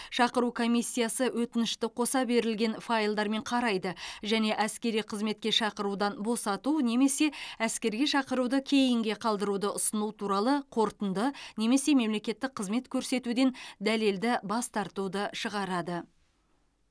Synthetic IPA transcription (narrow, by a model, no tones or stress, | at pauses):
ʃɑqəɾukʰo̞mijsːijɑsəwʔɵt̪ɪnɪʃt̪ɪqʰo̞sɑbe̞ɾɪlɡʲe̞nfajlˠd̪ɑɾme̞ɴqʰɑɾɑjd̪əʒæne̞ʔæskʲe̞ɾijqʰəzme̞t̪̚kʲe̞ʃɑqəɾud̪ɑnbo̞sɑt̪une̞me̞se̞æskʲe̞ɾɡʲe̞ʃɑqəɾud̪əkʲʰe̞jɪŋɡʲe̞qʰɑlˠd̪əɾud̪əʔʊsənut̪ʰuɾɑlˠəqʰo̞ɾt̪ənd̪əne̞me̞se̞me̞mle̞kʲe̞t̪ːɪk̚qʰːəzme̞t̪kʲʰɵɾse̞t̪ud̪e̞nd̪æle̞ld̪ɪbɑst̪ɑɾt̪ud̪əʃəʁɑɾɑd̪ə